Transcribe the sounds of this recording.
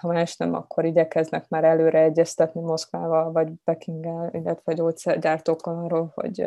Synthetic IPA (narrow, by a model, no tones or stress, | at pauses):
hɒmaːʃnɛmɒ̰kːo̞ɾiɟɛkɛznɛkmaːɾɛløːɾɛɛɟːɛst̪ɛt̪nimo̞skʋaːvɒlvɒɟb̥ɛkiŋɡɛlḭlːɛt̪ɛɒɟoːt̪sɛrɟaːrt̪oːkːonɒːrːoːlho̰ɟ